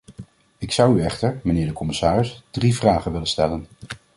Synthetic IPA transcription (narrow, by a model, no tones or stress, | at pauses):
ɪksʌwyɛχtəɹmənɪːɹdəkɔmɪsaːrɪsd̥rivraːχənʋɪlənstɛlən